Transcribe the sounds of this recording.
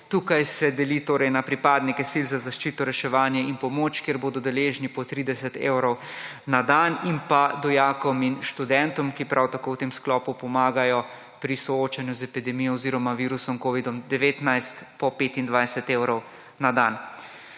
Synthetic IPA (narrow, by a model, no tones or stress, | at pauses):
t̪uːkajsɛd̪ɛliːt̪oːɾɛjnapɾipaːd̪nikɛsilzazaʃt͡ʃiːt̪ɔɾɛʃɛʋaːnjɛinpɔmoːt͡ʃkeɾboːd̪ɔd̪ɛleːʒnipɔt̪ɾiːd̪ɛsɛt̪ḛːwɾɔw | nad̪animpad̪ɔjaːkɔminʃt̪ud̪ɛnt̪ɔmkipɾʔawt̪akowt̪eːmsklɔːpupɔmaːɡajɔ | pɾisɔoːt͡ʃanjuzɛpid̪ɛmijɔɔziːɾɔmaʋiːɾusɔmkoːʋid̪ɔmd̪ɛʋeːt̪najst̪pɔpeːt̪ind̪ʋajsɛt̪eːwɾɔw | nad̪an